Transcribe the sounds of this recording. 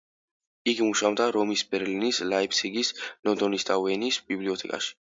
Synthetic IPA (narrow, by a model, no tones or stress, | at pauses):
iɡimuʃamd̪aɾɔmisbɛɾlinislaipʰsʰiɡisnɔnd̪ɔnist̪ʼavɛnisbibliɔt̪ʰɛkʼa̰ʃi̥